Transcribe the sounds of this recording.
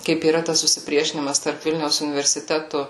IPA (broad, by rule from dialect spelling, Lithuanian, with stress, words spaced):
kɐɪp iːˈrɐ tɐs sʊsʲɪˈpʲrʲiɛʃʲɪnʲɪmɐs tɐrp ˈʋʲɪlʲnʲɛʊs ʊnʲɪʋʲɛrʲsʲɪˈtʲæːtʊ